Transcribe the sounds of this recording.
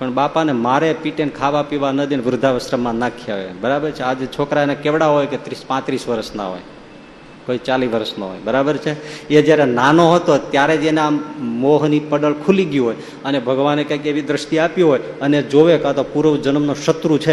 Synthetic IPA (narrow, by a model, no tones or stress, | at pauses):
pəɳbapanemaɾepiʈeɳkʰaʋapiʋanəd̪inʋɾʊd̪ʱaʋəsɾəmːãnakʰijaɦḛbəɾabəɾt͡ʃʰead͡ʒet͡ʃʰokɾanakeʋɽaɦojket̪ɾispãt̪ɾisʋəɾəsna̰ɦo̰j | koit͡ʃaliʋəɾəsnəɦo̰jbəɾabəɾt͡ʃʰeed͡ʒjaɾenanoɦət̪ot̪jaɾed͡ʒeneamoɦnipəɖəɭkʰuliɡjũɦoj | ənebʱəɡʋanekjãkeʋid̪ɾəʃt̪iapjuɦoj | əned͡ʒoʋekat̪opuɾəʋd͡ʒənəmnoʃət̪ɾut͡ʃʰe